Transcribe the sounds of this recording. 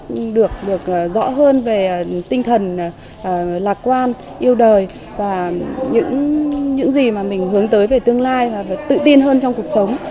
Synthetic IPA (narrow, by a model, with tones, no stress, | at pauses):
ɗɨ˨˩ək̚ɗɨ˨˩ək̚ːzɔ̰˧˥ɦəː˧nve˨˩t̪ï˧ŋt̪ʰə˨˩n | ʔːlaː˨˩k̚kwaː˧n | ʔi˧əwɗəː˨˩j | vaː˨˩ɲɨ̰˧˥ŋɲɨ̰˧˥ŋzi˨˩maː˨˩mï˨˩ŋ̟ɦɨ˨˦əŋt̪əː˨˦jve˨˩t̪ɨ˧əŋlaː˧jvaː˨˩vt̪ɨ̰˧˨t̪i˧ənɦəː˧nt͡ɕɔ˧wŋ͡mku˨˩ək̚sə˨˦wŋ͡m